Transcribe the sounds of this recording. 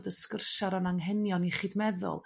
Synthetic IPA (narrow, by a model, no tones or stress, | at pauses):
dəskərʃaɾanaŋɦɛnjɔniχiːdmɛðʊ̰lˠ